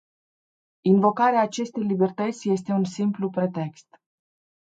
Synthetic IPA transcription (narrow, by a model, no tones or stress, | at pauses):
invo̞kaɾeaːt͡ʃe̞st̪e̞jlibe̞rt̪ət̪sʲje̞s̬t̪e̞unsimplupɾe̞t̪e̞kst̪